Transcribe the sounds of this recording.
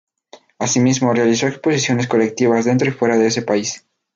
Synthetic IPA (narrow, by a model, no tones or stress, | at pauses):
asimizmo̞realiso̞ekspo̞s̬isjo̞ne̞s̬ko̞le̞k̚t̪iβazðent̪ɾo̞ifwe̞ɾaðe̞ese̞pais